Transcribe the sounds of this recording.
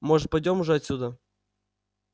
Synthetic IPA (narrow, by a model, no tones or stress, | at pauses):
moʐɨt̪̚pajdʲomʊʐɛɐt̪ʲsʲud̪ə